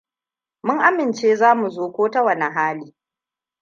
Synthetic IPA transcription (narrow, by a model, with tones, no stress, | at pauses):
mʊ˦ŋʔa˦mɪ˨nt͡ʃeː˦zaː˦mu˨zoː˦kʷoː˦ta˦wɐ˨na˨ɦaː˦liː˦